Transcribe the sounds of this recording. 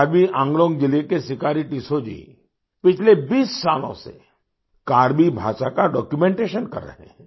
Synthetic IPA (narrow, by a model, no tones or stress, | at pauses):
ɾbiʔãːŋɡlõːŋɡd͡ʒɪlekesɪkaːɾiʈisod͡ʒḭ | pɪt͡ʃʰlebiːsːaːlõ̰sḛ | kaːɾbibʱa̰ːʃakaɖɔːkjumẽːɳʈeːʃənkɐ̰ɾːə̰ɦḛ̃ɛ̃ː